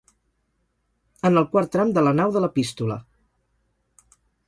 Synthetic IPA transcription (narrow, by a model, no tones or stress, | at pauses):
ənəlˠkwaɾt̪ːɾamd̪ələnawðələpist̪ulə̰